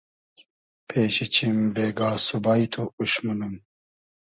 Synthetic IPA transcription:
pʰeːɕit͡ɕʰimbeːɡaːsubaːit̪ʰuuɕmunum

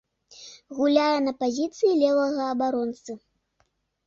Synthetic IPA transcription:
ɣulʲajɛnɐpazʲit̪sɨjilʲɛvˠɐɣɐːbaɾɔnt̪sɨ

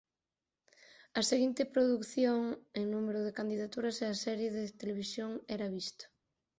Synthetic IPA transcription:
ɐseɣint̪ɪpɾoðukθjoŋeŋnumeɾʊðekand̪iðat̪uɾɐseasɛɾjeðet̪eleβ̞isjoŋɛɾaβist̪o̥

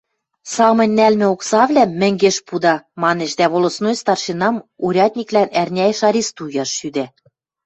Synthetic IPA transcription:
sɑmɤ̆nʲnælmɘ̆oksɑβlʲæmɘ̆ŋɡeʃpud̪ɑmɑneʃd̪æβolŏsnojst̪ɑrʃenɑmuɾʲɑt̪ʲnʲiklænærʲnʲæjeʃɑɾʲist̪ujɑʃːyd̪æ

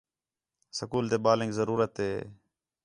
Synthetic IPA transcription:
səkuːlt̪eːɓaːlɪ̃ŋɡzəɾuːɾət̪ɦeː

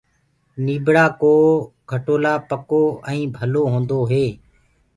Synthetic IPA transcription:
niːbʱɽaːkoːɡʱəʈoːlaːpəkoːɛ̃ĩːbʱəloːɦõːnd̪oːɦeː

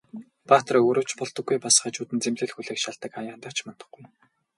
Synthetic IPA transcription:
paːt̪roːɾoːwt͡ɕpɔɮt̪ɞ̆ɡːujpas̆χə̆ːt͡ɕuːt̪ɘ̆nt͡semɮɘ̆ɮxuɮeːkʃaɮt̪ə̆kajaːnt̪ḁt͡ɕmɔnt̪ɞ̥̆χɡuj

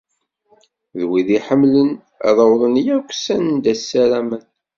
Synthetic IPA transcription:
ðwiðiħəmːlən̰ | ðˤəwðˤənjækʷsænnd̪æsːælæmən

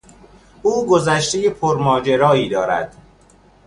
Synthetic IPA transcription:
uːɡo̞zæʃt̪ejepʰoɾmɒːd͡ʒe̞ɾɒːiːd̪ɒːɾæ̰d̪̥

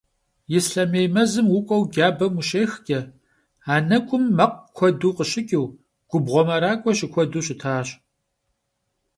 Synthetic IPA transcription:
jɪsɬɐmeːjmɐzɨmwʊkʷʼɔwɡʲaːbɐmuʃeːxkʲʼɐ | aːnɐkʷʼʊmːɐq̚ʷkʷʰɔduːqəɕɪkʲʼiw | ɡ̥ʷʊbʁʷɔmɐɾaːkʷʼɔɕɪkʷʰɔduːɕɪtʰaːɕ

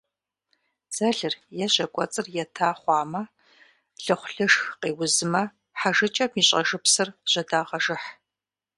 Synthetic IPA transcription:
z̥ɐɮɨrjɛɕɐkʷʼɔ̰t͡sʼɨrjɛtʰaːχʷɑːmɐ | ɬɨχʷʊɬɨʂxqeːwʊzɨmɐ | ħaʒɨt͡ʃʼɐmiːɕʼɐ̰ʒɨpsɨrʑ̥ɐdaːʁɐʒɨħ

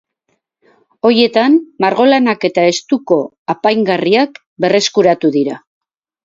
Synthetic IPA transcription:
o̞ɾie̞t̪anmaɾɣo̞lanake̞t̪ae̞st̪uko̞ | apajŋɡariak | be̞re̞skuɾat̪uðiɾa

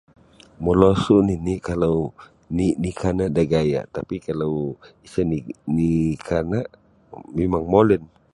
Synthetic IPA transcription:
mɔlosuʔniniʔkalaw | niʔnikʰanaʔdaɡaja̰ʔt̪apikalawisəninikʰanaʔ | mɛmaŋmolɛn

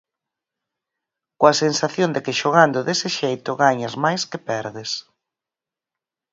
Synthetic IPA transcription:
koɐsensaθjond̪ɪkɪʃoɣand̪ʊðesɪʃejt̪ʊɣaɲazmajskɪpɛɾðɪs

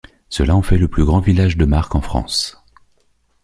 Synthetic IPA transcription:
səlaɑ̃fɛləplyɡʁɑ̃vilaʒd̪əmaʁkɑ̃fχɑ̰̃s

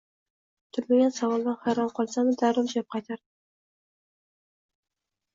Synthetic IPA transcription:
t̪ʰʊɾmaɡʲansavɒlˠd̪anhajɾɒnqʰɒlˠsanɪd̪aɾɪmʃap̚qʰɑjt̪ʰaɾd̪ɪ

